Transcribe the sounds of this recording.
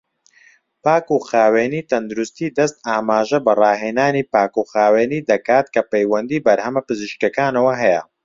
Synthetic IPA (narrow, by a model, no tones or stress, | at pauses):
paːkuːxaːweːniːt̪ɐnd̪uɾust̪iːd̪ɐst̪aːmaːʒɐbɐrˤɑːɦeːnaːniːpaːkuxaːweːniːd̪ɐkaːt̪kɐpejwɐnd̪iːbɐɾhɐmɐpɨzɨʃkɐkaːnɐwɐɦɛjɐ̰